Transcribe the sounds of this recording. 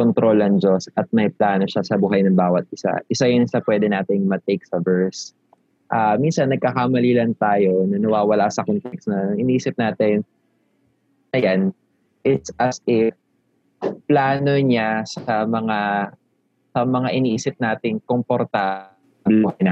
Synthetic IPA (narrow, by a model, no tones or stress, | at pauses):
kont̪ɾo̞lɐŋd͡ʒosɐt̪̚mɐjplaːnoʃasɐbuːɦɐjnɐŋbaːwɐt̪̚ʔɪsa̰ʔɪsajʊnɪsɐpwɛːd̪ɛnaːt̪ɪŋmɐt̪ejk̚sɐvɛɹs | ʔaːminsɐnːɐɡ̚kakamɐliːlɐnt̪aːjo̞nɐnɐwaːwɐlasɐkonpɛksnɐnɐŋʔɪniʔiːsɪp̚naːt̪ɪn | ɐjan | ʔɪt̪sʔɐsɪf | plaːno̞ɲasɐmɐŋa | sɐmɐŋaʔɪnʔiːsɪp̚naːt̪ɪŋkompoɾt̪a | bluɦɐjna